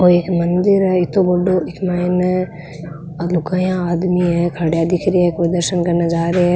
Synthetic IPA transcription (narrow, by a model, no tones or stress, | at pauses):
oeːkmɐnd̪ɪɾɛɪt̪obɐɖoɪkmaɪnɛ | lʊkajãaːd̪miɦɛkʰɐɽjad̪ɪkʰɾiaekpɾɐd̪əɾʃənkɐɾnad͡ʒaːɾeɛ